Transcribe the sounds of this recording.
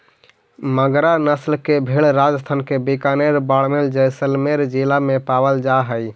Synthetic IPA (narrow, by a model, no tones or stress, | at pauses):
məɡɾanəslkebʱeɭɾad͡ʒəst̪ʰankebikaneɾbaɽmeld͡ʒəjsəlmeɾd͡ʒilamepabəld͡ʒaɦəj